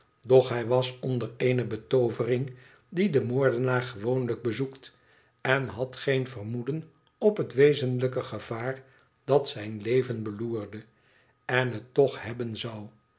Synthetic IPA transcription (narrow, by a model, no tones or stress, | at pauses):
dɔχɦɛjʋɑsɔndəreɪnəbətowvərɪŋ | didəmoːɹdənaːχəʋownləɡ̚bəzukt | ɛnɦɑtχejnvərmudən | ɔpɦətʋejzənləkəχəv̥aːr | d̥ɑtsɛjnlejvənbəluːrdə | ɛnɦətːɔχhɛbənzɑw